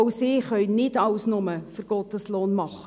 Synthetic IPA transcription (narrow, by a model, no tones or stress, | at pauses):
ʊsɪːχœʏnɪdɑʊsnʊməfəɾɡ̥ɔtəsloːnmɑχə